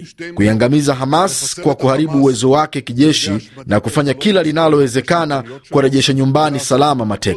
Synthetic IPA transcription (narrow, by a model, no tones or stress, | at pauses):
kuiaŋɡamizaɦamaskwakuhaɾiɓuːwɛzɔwakɛkiʄɛʃinakufaɲakilalinalɔwɛzɛkanakuaɾɛʄɛʃaɲumbanisalamamatɛk